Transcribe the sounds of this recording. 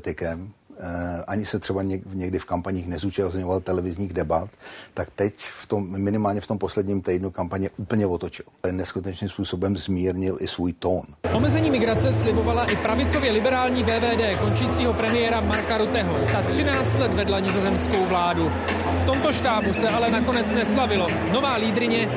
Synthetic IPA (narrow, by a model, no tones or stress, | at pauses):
t̪ɪkɛm | ʔaɲɪsɛt̪r̥ɛbaɲɛɲɛɡdɪfkampaɲiːxnɛzuːt͡ʃast̪ɲovalt̪ɛlɛvɪzɲiːɣdɛbat̪ːakt̪ɛcft̪omːɪnɪmaːlɲɛft̪ompo̞slɛdɲiːmt̪ɛjdnukampaɲɛʔuːpl̩ɲɛvot̪ot͡ʃɪllɛnɛskut̪ɛt͡ʃnɪmspuːso̞bɛmzmiːɾɲɪlʔɪsvuːjt̪onʔo̞mɛzɛɲiːmɪɡɾat͡sɛslɪbo̞valaʔɪpɾavɪt͡so̞vjɛlɪbɛɾaːlɲiːvɛːvɛːdɛːko̞nt͡ʃɪjiːt͡siːɦo̞pɾɛmɪjɛɾamaɾkaɾut̪ɛɦot̪at̪r̝̥ɪnaːt͡st̪lɛt̪vɛdlaɲɪzo̞zɛmsko̞wvlaːdu | ft̪o̞mt̪o̞ʃt̪aːbusɛʔalɛnako̞nɛt͡snɛslavɪlo̞ | no̞vaːliːd̪ɾɪɲɛ